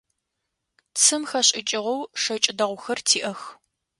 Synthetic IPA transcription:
t͡sʰɨmxɐɕʼɪt͡ʃʼɪʁɐwʂɐt͡ʃʼɪdɐʁʷʊxɐrtʰiːʔɐx

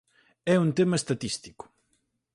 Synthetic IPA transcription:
ɛunt̪emɐest̪at̪ist̪i̥kʊ̥

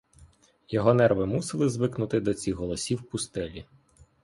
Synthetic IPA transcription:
jɔɦɔnɛrʋɪmusɪlˠɪzʋɪknʊt̪ɪd̪ɔt͡sʲixɦɔlˠɔsʲiwpʊst̪ɛlʲi

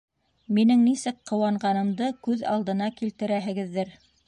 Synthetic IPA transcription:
minɘŋnisɘkqɤ̆wɑɴɢɑnɤ̆md̪ɤkʉðɑ̰lˠd̪ɤ̆nɑkilt̪ɘ̆ɾæɦɘ̆ɡɘ̆ðːɘɾ

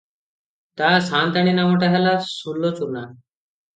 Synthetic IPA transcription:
t̪asãnt̪aɽ̃inamɔʈaɦalasulːot͡suɾna

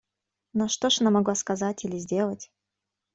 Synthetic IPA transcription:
noʂt̪oʂɐnamɐɡlˠaskɐzatʲilʲɪzʲdʲe̞lˠətʲ

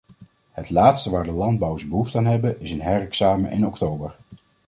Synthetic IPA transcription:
ɦətlaːtstəʋaːɹdəlɑnd̚bʌwəzbəɦuftaːnɦɛbənɪsənɦɛrɛksaːmə̰ʔɪ̰nɔktowbəɹ

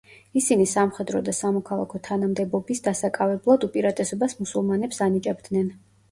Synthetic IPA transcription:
isinisamχɛd̪ɾɔd̪asamɔkʰalˠa̰kʰɔt̪ʰanamd̪ɛbɔbisd̪asakʼavɛblˠad̪upʼiɾat̪ʼɛsɔbasmusulˠmanɛpsanit͡ʃʼɛbd̪nɛn

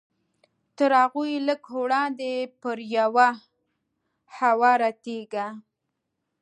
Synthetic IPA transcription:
t̪əɾhaɣujləkhoɽɑnd̪epəɾjawa | hawɑɾat̪eɡa

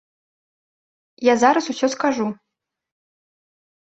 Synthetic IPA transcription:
jazaɾɐsusʲɔskaʐu

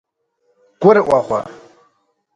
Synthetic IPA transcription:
ɡ̥ʷʊɾəʔwʷaχʷa̰

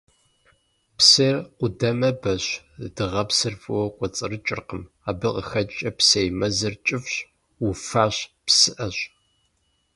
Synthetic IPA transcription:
psɐrqʷʊdɐmɐbɐɕ | dɨʁɐpsɨrfʼɨwɔkʷʼɔt͡sʼɨrɨt͡ʃʼɪ̰rqəm | aːbɨqʼəxɐt͡ʃʼɐpsejmɐzɐrt͡ʃʼɪfɕ | ufaːɕpsɨʔɐɕ

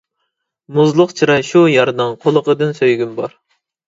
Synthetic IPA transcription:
muzlˠəqt͡ʃʰɨɾɑʃujɑɾnɨŋqʰolˠəqəd̪ɨnsøjɡʲymbɑɾ

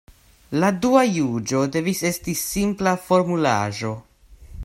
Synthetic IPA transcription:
laduajud͡ʒo̞de̞vise̞stisimplafo̞ɾmula̰ʒo̞

